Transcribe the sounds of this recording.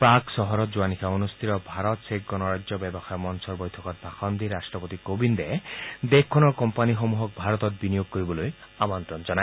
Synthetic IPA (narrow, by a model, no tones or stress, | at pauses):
pɾaksɔɦɔɾɔd͡ʒuanikʰaonust̪ʰiɾɔbʱaɾɔt̪sek̚ɡɔnɔɾajd͡ʒɔbɛbɔxajɔmɔnsɔɾbojt̪ʰɔkɔt̪bʱaxɔnd̪iɾasʈɾɔpot̪ikobind̪ed̪ekʰːɔnɔɾkɔmpanixomuɦɔk̚bʱaɾɔt̪ɔt̪binijoɡ̚koɾibɔlojamɔnt̪ɾɔnd͡ʒɔnae